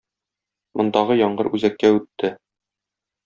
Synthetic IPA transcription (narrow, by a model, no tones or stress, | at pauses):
mʔŏnd̪ɑʁɤjɒɴɢɤɾʉzækːæʉt̪ʰːɘ